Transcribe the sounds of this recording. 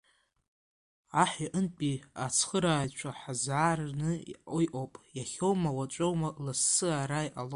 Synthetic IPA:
aħiʔənpʼiat͡sʰχəɾaːjt͡ʃʷʰaħazaːrnɨḭojʔowpʼjaχʲowmawat͡ʃʷʼowmalasːɨaɾajʔalo

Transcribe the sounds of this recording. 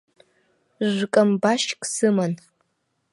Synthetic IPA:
ʒʷkʼɐmbaʃkʼsɨman

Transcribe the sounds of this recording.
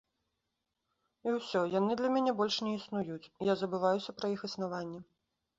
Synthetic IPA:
iwsʲɔjanɨd̪lʲɐmʲanʲɛbɔlʲʂnʲɛisnujut͡sʲjazɐbɨvajusʲɐpɾɐixɨsnavanʲːɛ

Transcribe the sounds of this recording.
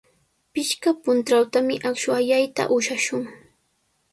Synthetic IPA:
pɪʃkapʊnt̪ɾawt̪amɪʔakʃwaʎajt̪a̰ʔʊʃaʃʊŋ

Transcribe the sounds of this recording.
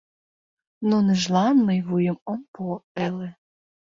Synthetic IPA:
noniʒlɑnməjβujə̆məmpoele

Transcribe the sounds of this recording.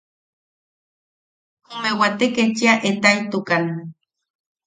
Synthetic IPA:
umewat̪eket͡ʃiaʔet̪ait̪ukan

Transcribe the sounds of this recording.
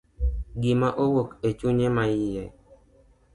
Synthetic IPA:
ɡɪmaʔowoket͡ʃuɲemajije

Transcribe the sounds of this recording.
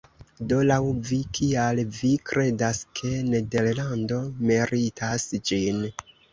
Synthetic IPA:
do̞lawvikʰialvikɾʔe̞daskʰe̞ne̞de̞ɾlando̞miɾitʰasd͡ʒin

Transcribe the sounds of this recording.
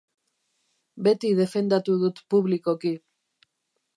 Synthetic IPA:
be̞t̪iðe̞fe̞nd̪at̪uðut̪puβliko̞ki

